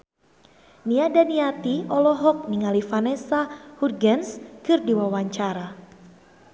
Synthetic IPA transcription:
niadaniat̪iɔlɔɦɔk̚niŋalifanɛsahurɡɛnskɨrdiwawaɲt͡ʃaɾa

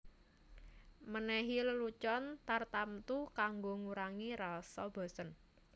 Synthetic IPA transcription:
mənɛɦiləlut͡ʃɔnt̪art̪amt̪ukaŋɡoŋuɾaŋiɾasɔ̰b̥ɔ̤sən

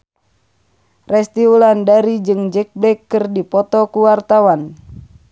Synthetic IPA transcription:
rɛst̪iulandaɾid͡ʒɨŋd͡ʒɛk̚blɛkːɨrdipɔt̪ɔkuwart̪awan

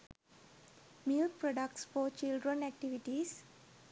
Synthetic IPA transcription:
mɪlkpɾɔɖəkʈsfɔːt͡ʃɪlɖɾə̃næk̚ʈiʋiʈis

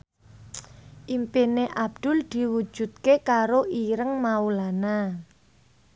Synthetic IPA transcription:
ʔimpineʔab̚d̪̥ʊ̤ld̪̥i̤wu̥ʒ̥ṳt̪̚kekaɾoʔiɾəŋmaulana

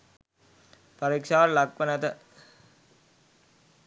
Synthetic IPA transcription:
paɾikʂaːllakʋənæt̪ə

